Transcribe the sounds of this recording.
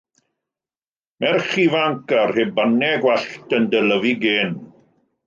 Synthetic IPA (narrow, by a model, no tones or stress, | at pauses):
mɛrχivaŋkarheːbanɛɡwɛɬtəndələviɡeːn